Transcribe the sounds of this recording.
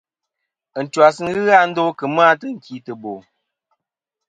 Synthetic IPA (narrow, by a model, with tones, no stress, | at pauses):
ə˨n̩˨twa˨sɨ˦n˦ɣɨ˦ɣa˦n̩˦do˦kɨ˨m˦a˦tə˦ŋ̩˨ki˨˦tə˨bo˨